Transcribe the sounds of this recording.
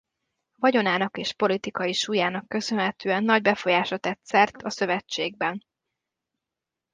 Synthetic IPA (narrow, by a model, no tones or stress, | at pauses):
vɒɟo̞naːnɒkeːʃpo̞lit̪ikɒjiʃuːjaːnɒkːø̞sønɦɛt̪øːɛnːɒɟbɛfo̞jaːʃɒt̪ɛt̪sɛrt̪ʰɒsø̞vɛt͡ʃːeːɡ̚bɛn